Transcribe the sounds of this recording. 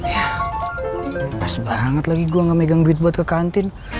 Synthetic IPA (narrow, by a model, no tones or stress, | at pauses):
ja | pasbaŋət̪laɡiɡuaŋɡameɡaŋduit̪̚buat̪kəkant̪ɪn